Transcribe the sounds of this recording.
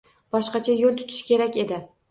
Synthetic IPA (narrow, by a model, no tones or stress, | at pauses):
b̥ɒʃqɑt͡ʃʰajolˠt̪ʰʊ̥t̪ʰɪ̥ʃkʲe̞ɾakʲe̞d̪ɪ